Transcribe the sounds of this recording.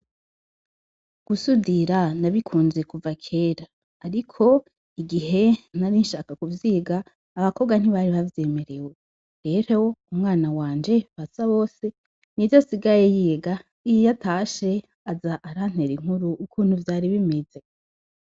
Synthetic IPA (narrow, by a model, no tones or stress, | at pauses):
ɡ̥usudiɾanaβikʰuːnze̞kuvakʰeːɾaː | ɾikʰo̞ | iɡiɦe̞naɾinʃaːkakuvjiːɡaː | βako̞ɡwan̥iβaɾiβavje̞meɾe̞we | ɾe̞ɾoumŋaːnawaːnd͡ʒe̞βasaβo̞ːse̞ | nivjosiɡaje̞jiːɡa | ijjatʰaːʃe̞ | azaʔaɾan̥e̞ɾiŋ̥huɾuːkʰuːn̥huvjaːɾiβimed͡ze̞